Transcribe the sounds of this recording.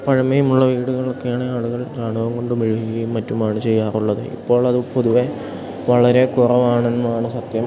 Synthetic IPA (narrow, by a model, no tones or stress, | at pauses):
pɐɻɐmejumuɭːɐʋiːɽuɣɐɭo̞kːe̞jaːɳɨaːɭuɣɐɭt̪aːɳuʋɐŋɡo̞ɳɖɨmeɻiɦikkːɐjumːɐtːumaːɳɨt͡ɕe̞jːaːruɭːɐðɨ̰ḭpːo̞ːɭɐðɨpo̞ðuʋe̞ | ʋɐɭɐɾe̞kurɐʋaːɳenːuaːɳɨsɐt̪jɐm